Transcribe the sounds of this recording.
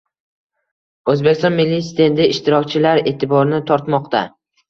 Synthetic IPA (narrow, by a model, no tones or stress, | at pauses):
ɵzbekʲɪst̪ɒ̃nmɪlːijsd̪end̪ɪɪʃt̪ɪɾɒkʲt͡ʃʰɪlaɾe̞ːt̪ʰɪbɒɾnɪt̪ʰɒɾt̪mɒqt̪a